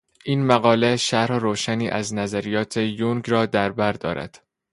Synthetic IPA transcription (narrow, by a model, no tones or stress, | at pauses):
ʔiːnmæɣɒːleʃæɾhɾoːʃæniːʔæznæzæɾijɒːt̪ʰe̞juŋɡrɒːd̪æɾbæɾd̪ɒ̰ːɾʔæ̰d̪̥